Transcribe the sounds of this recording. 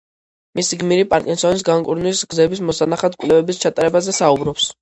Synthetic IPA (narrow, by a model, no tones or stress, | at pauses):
misiɡmiɾipʼaɾkʼinsɔnis̬ɡaŋkʼṵɾnwisɡzɛbismɔsanaχad̪̚kʼvlɛvɛbist͡ʃʰat̪ʼaɾɛbazɛsaubɾɔps